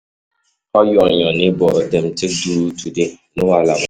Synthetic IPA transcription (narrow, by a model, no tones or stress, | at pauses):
ɔjɔɲɔnɪbɔodem̩tek̚duɾutudɪnʊalaba